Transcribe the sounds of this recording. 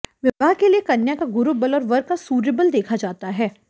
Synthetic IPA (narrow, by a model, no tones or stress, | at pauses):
ʋɪʋaːɦkeliekɐnjakaɡʊɾubəlɔːɾʋɐɾkasuːɾɪbəld̪eːkʰad͡ʒaːt̪aɦɛː